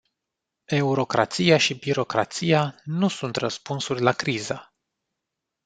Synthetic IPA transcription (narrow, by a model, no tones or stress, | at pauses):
e̞uɾo̞kɾa̰t̪sijaʃibiɾo̞kɾa̰t̪sijanusunt̪rəspunsurʲlakɾizə